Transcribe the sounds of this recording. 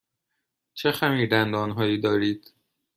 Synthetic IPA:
t͡ʃʰe̞xæmiːɾd̪ænd̪ɒːnɦɒːjiːd̪ɒːɾiːd̪̥

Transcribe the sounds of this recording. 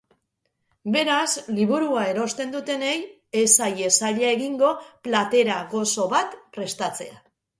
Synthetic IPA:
be̞ɾasliβuɾuae̞ɾo̞st̪e̞nd̪ut̪e̞ne̞j | esaje̞saʎae̞ɣiŋɡo̞plat̪e̞ɾaɣo̞so̞βat̪pɾe̞st̪at͡se̞̰a

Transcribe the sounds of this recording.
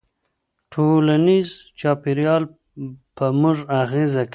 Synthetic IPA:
ʈʰolanizt͡ʃɑpiɾjɑl | pəmuʐaɣezak

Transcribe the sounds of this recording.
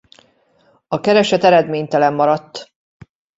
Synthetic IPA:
ɒkɛɾɛʃɛt̪ɛɾɛd̪meːɲt̪ɛlɛmːɒɾɒt̪ː

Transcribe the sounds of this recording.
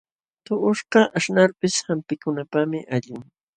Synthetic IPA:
t̪ʊʔʊʃqɑʔaʃnaɾpɪshampɪkʊnapamɪʔaʎʊŋ

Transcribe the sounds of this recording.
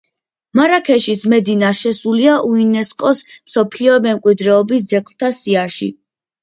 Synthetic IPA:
maɾakʰɛʃismɛd̪inaʃɛsuliaʔuinɛskʼɔsmsɔpʰliɔmɛmkʼwid̪ɾɛɔbis̬d̪zɛkʰʼlˠt̪ʰasiaʃḭ

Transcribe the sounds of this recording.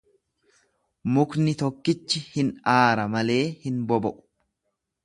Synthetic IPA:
mʊknɪt̪ɔkːɪt͡ʃːɪhɪnaːɾɐmɐle̞ːhɪnbɔbɔʔʊ̥

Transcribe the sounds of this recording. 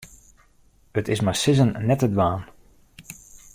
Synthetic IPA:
ətɪsmasɪzənːɛtədʋaːn

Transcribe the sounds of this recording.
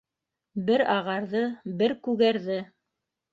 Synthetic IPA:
bɘɾɑʁɑɾðɤbɘɾkʉɣæɾðɘ

